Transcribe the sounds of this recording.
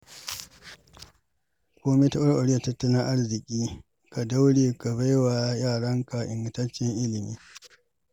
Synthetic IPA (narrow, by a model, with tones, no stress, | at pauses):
kʷoː˦me˦ta˦ʔʊ˦ɾʔo˨ɽɪ˦jɐ˨tɐ˦tːɐ˦lɪ˦ŋʔa˦rzɪ˨kʲʼiː˦ | ka˨da˦wɽeː˨ka˨ba˦jwaː˨jaː˦˨ɽɐ˦ŋka˨ʔɪ̰˨ŋɡɪ˨tɐ˦t͡ʃːɪ˦ŋʔɪ˦lɪ˨miː˦